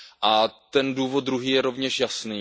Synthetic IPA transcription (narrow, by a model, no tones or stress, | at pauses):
ʔat̪ɛnduːvot̪̚d̪ɾuɦiːjɛɾo̞vɲɛʃjasniː